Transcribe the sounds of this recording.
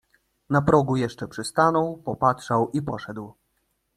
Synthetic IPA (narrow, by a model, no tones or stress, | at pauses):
napɾɔɡujɛʂt͡ʂɛpʂɘst̪anɔwpɔpatʂawipɔʂɛd̪w